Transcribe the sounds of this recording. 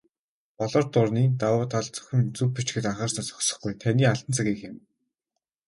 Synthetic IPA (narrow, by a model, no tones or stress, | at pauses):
pɔɮɞ̆rt̪ʊrniːt̪awʊːt̪ʰaɮt͡sɵ̥xʲɪ̆mt͡sɵppːut͡ɕɡɘ̆t̪aɴχəːrsnăːsɔ̥xsɞ̥̆χɡujt̪ʰaniːaɮt̪ə̆nt͡sʰăɣiːxɪ̆m